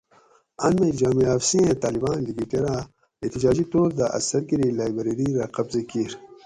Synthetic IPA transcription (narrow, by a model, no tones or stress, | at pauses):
ɐnmed͡ʑaːmiaːfsĩẽt̪aːlibaːnliɡiʈeɾaː | et̪id͡ʑaːd͡ʑit̪oːɾd̪aʔɐ̰sɐɾɡiɾilaːjbɐɾiɾiɾaːqɐbzekiɾ